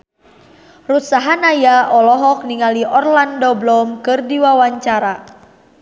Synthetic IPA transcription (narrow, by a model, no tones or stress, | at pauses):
rut̪saɦanajaʔɔlɔɦɔk̚niŋaliʔɔrlandoblɔmkɨrdiwawaɲt͡ʃaɾa